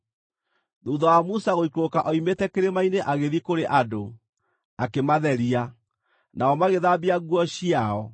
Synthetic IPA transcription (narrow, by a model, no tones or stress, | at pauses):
ðuːðɔwamusaɣoikokaʔɔimetɛkeɾemaineʔaɣeðikoɾeʔado | akemaðɛɾia | naɔmaɣeðabiaɣwɔɕiaɔ